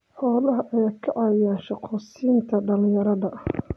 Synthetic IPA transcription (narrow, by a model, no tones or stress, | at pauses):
ħɔːlɐɦɐʔɛkʰɐʕɑjaːnʃɑqʰɔːsiːnt̪ʰɐɖɐlɪ̃jɐɾɐðɐ